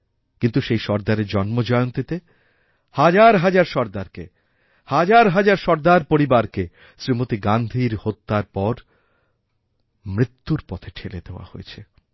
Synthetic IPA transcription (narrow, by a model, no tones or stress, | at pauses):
kint̪uʃejʃɔɾd̪aɾed͡ʑɔnmod͡ʑɔeont̪it̪e | had͡ʑaɾɦad͡ʑaɾʃɔɾd̪aɾkḛ | had͡ʑaɾɦad͡ʑaɾʃɔɾd̪aɾpoɾibaɾke | sɾimot̪iɡand̪ʱiɾhot̪ːaɾpɔɾ | mɾit̪ːuɾpɔt̪ʰeʈʰeled̪eoa̰hojet͡ɕʰe